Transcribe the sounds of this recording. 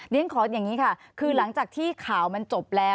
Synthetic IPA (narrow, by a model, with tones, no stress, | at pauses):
ni˦˥əŋkʰɔː˨˦t̪̚ja˨˩ŋiː˦˥kʰa˥˩kʰɯː˧la˩˦ŋt͡ɕaː˨˩k̚t̪ʰiː˥˩kʰaː˨˩˦wma˧nt͡ɕo˨˩p̚lɛː˦˥